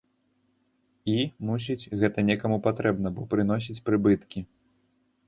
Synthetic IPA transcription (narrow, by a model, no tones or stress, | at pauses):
imus̬ʲit͡sʲɣɛt̪ɐnʲɛkɐmupat̪ɾɛbn̪ɐbɔpɾɨnɔs̬ʲit͡sʲpɾɨbɨt̪kʲi